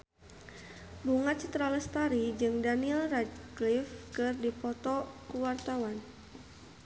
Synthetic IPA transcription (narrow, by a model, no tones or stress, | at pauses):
buŋat̪̚t͡ʃit̪ɾaləst̪aɾid͡ʒɨŋdaniɛlradklifkɨrdipɔt̪ɔkuwart̪awan